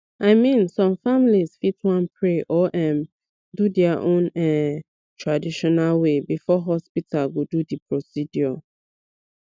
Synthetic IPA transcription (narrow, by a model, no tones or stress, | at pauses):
aɪmĩnsɔ̃mfamiliz̥fitwãnpʰɹeʔɔʔɛ̃m | dudɛaʔõnɛ | tʰɹadiʃɔnalwebifɔɦɔspitʰalɡodudipʰɹosidjɔ